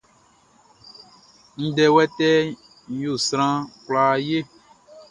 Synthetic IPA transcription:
ŋ̩̃˦ɖɛ˦wɛ˦t̪ɛ˦ | ɲ̩˦jo˨sɾ̃ã˦kla˨˦je˦

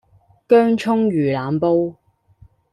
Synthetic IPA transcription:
kœː˥ŋt͡ʃʰʊ˥ŋjyː˨˩laː˨mpo˥w

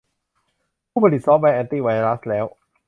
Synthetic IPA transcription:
pʰuː˥˩pʰa˧li˨˩sɔː˦˥p̚wa˧jʔɛː˧nt̪iː˥˩wa˧jɾa˦˥slɛː˦˥w

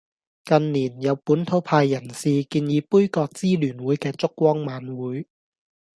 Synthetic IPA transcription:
kɐ˨˧nniː˨˩njɐ˨˧wpuː˨˥nt̪ʰo˨˥wpʰaː˧jːɐ˨˩nsiː˧kiː˧njiː˨˧puː˥jkɔː˧k̚t͡siː˥lyː˨˩nwuː˨˥jkɛː˧t͡sʊ˥kːwɔː˥ŋmaː˨˧nwuː˨˥j

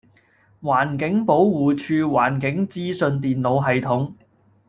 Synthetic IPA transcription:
waː˨˩nkɪ˨˥ŋpo˨˥wwuː˨t͡ʃʰyː˧waː˨˩nkɪ˨˥ŋt͡siː˥sɵ˧nt̪iː˨nlo˨˧wɦɐ˨jt̪ʰʊ˨˥ŋ

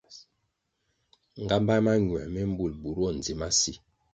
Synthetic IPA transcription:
ŋ˨ɡa˦mba˦jma˦ɲwɛ˨mɛ˦m̩˦bu˦˨lbu˨ɾɔ˦˨n˨d͡zi˨˦ma˦si˦˨

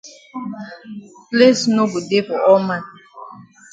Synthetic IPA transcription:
ple˦sno˦bu˨de˦fɔ˨ʔɔ˦ma˦˨n˨

